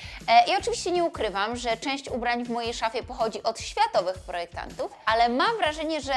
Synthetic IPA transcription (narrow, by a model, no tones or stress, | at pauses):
ʔiɔt͡ʂɨvʲiɕt͡ɕɛɲɛukɾɘvamʐɛt͡ʂɛ̃w̃ɕt͡ɕubɾaɲvmɔjejʂafʲjɛpɔxɔd͡ʑiʔɔt̪ɕfʲjat̪ɔvɘxpɾɔjɛk̚t̪a̰nt̪ufalɛmamvɾaʐɛɲɛʐɛ